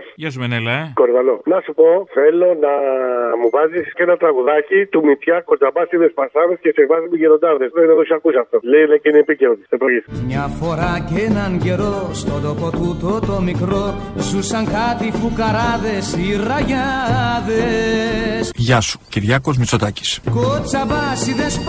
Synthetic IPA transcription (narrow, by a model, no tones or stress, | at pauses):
ʝɐsumenelɐkoɾðɐlonɐsupo̞θelo̞nɐmuvɐzisenɐt̪ɾɐɣuðɐcit̪umit̪çɐkod͡zɐbɐsiðespɐsɐðescesevɐzimuʝeɾo̞nd̪ɐðesðenɐðosiɐkusɐft̪oleineciniepiceɾot̪isepɾoʝismɲɐfo̞ɾɐcenɐnʝe̞ɾo̞st̪o̞d̪o̞po̞t̪ut̪o̞t̪omikɾo̞zusɐŋkɐt̪ifukɐɾɐðe̞siɾɐʝɐðe | sʝɐsu̥ciɾʝɐko̞zmit͡so̞t̪ɐci̥skot͡sɐbɐsiðes